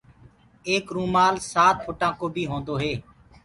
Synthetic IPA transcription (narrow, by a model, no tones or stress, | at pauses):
eːkɾũːmaːlsaːt̪̚pʰoːʈãːkoːbʱiːɦõːnd̪oːɦeː